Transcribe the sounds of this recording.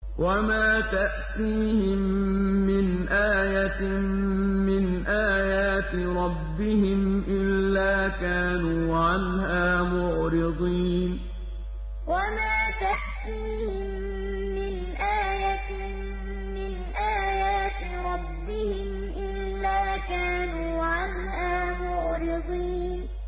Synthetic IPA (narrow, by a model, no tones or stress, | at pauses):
wamaːt̪aʔt̪iːhɪmːɪnʔaːjat̪ | mɪnʔaːjaːt̪ | ɾˤɑbːɪhɪmʔɪlːaːkaːnuːʕanhaːmʊʕɾɪd̪ˤiːn | wamaːt̪aħt̪ːihɪmː | ɪn | ʔaːjat̪ | mɪnʔaːjaːt̪ | ɾˤɑbːɪhɪm | ʔɪlːaːkaːnuːʕan | haːmʊʕɾɪd̪ˤiː | n